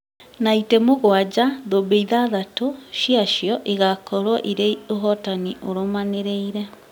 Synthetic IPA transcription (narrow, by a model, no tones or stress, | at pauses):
naitɛmoɣwad͡ʑaðobeiðaðatoʃiaʃjɔʔeɣakɔɾwɔʔiɾeioɦɔtaniʔoɾomaneɾeiɾɛ